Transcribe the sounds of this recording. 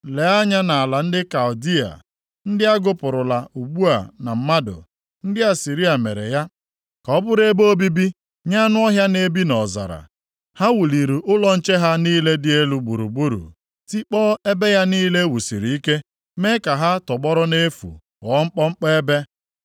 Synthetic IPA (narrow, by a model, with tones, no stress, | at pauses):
le˨a˦ɲa˦na˨a˨la˨n̩˦dɪ˦ka˨ʊ˨di˦a̰˨ | n̩˦dɪ˦a˦ɡʊ˦pʊ˨ɾʊ˨la˨u˨ɡ͡bu˦a˨na˨m̩˨ma˦dʊ̰˨ | n̩˦dɪ˦a˨si˨ɾi˦a˨mḛ˨ɾḛ˨ja˦ | kɔ˨˦bʊ˦ɾe˦bo˦bi˦bi˦ | ɲa˦nʊ˦ɔ˦ɦja˦ne˦bi˦nɔ˨za̰˨ɾa̰˨ | ha˦wu˨li˨ɾu˨ʔʊ˦lɔ˦n̩˦t͡ʃe˦ɦa˦niː˦le˦dɪ˦e˦lu˨ɡ͡bu˨ɾṵ˨bu˦ɾṵ˨ | ti˦k͡pɔː˦e˦be˦ja˦niː˦le˦wu˨sḭ˨ɾi˨i˦ke˦ | me˦ka˨ɦa˦tɔ˨ɡ͡bɔ˦ɾɔ˦ne˦fṵ˨ | wɔ˨˦ŋ͡m̩˦k͡pɔ˦ŋ͡m̩˦k͡pe˦e˦be˦